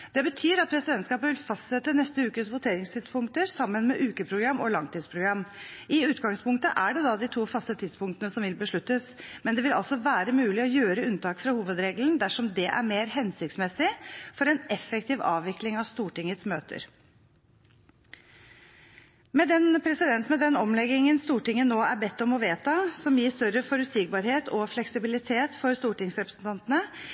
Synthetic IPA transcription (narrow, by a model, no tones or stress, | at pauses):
d̪̥ɛbət̪ʰyːɾɑt̪̚pʰɾɛsɪd̪ɛnt̪skɑːpəʋɪlfɑst̪sɛt̪ːənɛst̪əʉːkəsʋʊt̪ʰeːɾɪŋst̪ʰɪd̪spʊŋkt̪əɾsɑmːənmɛʔʉːkəpʰɾʊɡɾɑmːʔɔlɑŋt̪ʰiːd̪spʰɾʊɡɾɑmːɪʉːt̪ɡɑŋspʰʊŋkt̪ə̰ʔæɖɛd̪ɑːd̪ɪt̪ʰuːfɑst̪ət̪ʰɪd̪spʊŋkt̪ənəsɔmʋɪlbəʂɭʉt̪ːəsmɛnd̪ɛʋɪlɑ̰lsɔʋæːɾəmʉːlɪɔjøːɾəʉnt̪ɑːkfɾɑhuːʋəd̪ɾeːɡln̩d̪æʂɔmd̪ɛʔæ̰ɾmeːɾɦɛnsɪkt̪smɛsːɪfɔɾɛnʔɛfːɛkt̪ɪːʋɑ̰ːʋʋɪklɪŋɑʋst̪uːʈɪŋːət̪smøːt̪ʰə̰ɾ | mɛd̪ɛnpʰɾɛsɪd̪ɛnt̪mɛd̪ɛnɔmlɛɡːɪŋənst̪uːʈɪŋːənoːæɾbɛt̪ːɔmɔʋeːt̪ɑsɔmjiːst̪œɾːəfɔɾʉt̪sɪɡ̚bɑːɾheːt̪ʰɔflɛksɪbɪlɪt̪ʰeːt̪fɔɾst̪uːʈɪŋsɾɛpɾə̥sn̩t̪ʰɑnt̪ənə